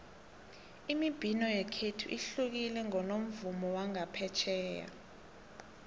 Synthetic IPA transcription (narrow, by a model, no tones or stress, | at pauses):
imib̥ʱinɔjɛkʰetʰuʔiɬuk̬ilɛŋɔnom̩vumɔwaŋapʰɛt͡ʃʰɛːja̰